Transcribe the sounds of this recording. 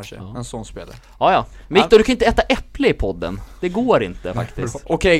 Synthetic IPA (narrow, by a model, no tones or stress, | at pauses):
ʂə̰ɛnsɔnːspḛːla̰ | ɑːjɑː | mɪkt̪ɔld̪ɵkʰaɪnt̪əɛːt̪aʔɛplɪɪpʰɔd̪ːə̰nd̪̥ɛɡoːɾɪ̰nt̪əfa̰kt̪ɪsst̪ɔkʰɛ